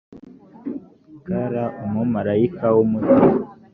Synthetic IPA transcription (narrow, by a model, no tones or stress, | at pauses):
kaɾaʔumumaɾaikʰawumuti